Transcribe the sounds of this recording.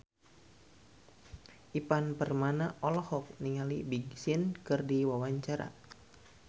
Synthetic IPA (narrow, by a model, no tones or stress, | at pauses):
ʔipanpərmanaʔɔlɔhɔk̚niŋalibiɡsɪnkɨrdiwawaɲt͡ʃaɾa̰